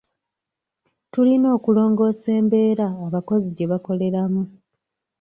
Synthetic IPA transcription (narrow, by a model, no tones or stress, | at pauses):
tulino̞ːkulo̞ːŋɡo̞ːse̞ːmbe̞ːɾaːβako̞ziɟe̞βako̞le̞ɾamu